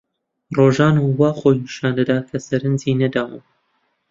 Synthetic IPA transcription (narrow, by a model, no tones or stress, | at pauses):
roːʒaːnuwaːχojniʃaːnd̪ɐd̪aːt̪̚kʰɐsɐɾɨnziːnɐd̪aːwum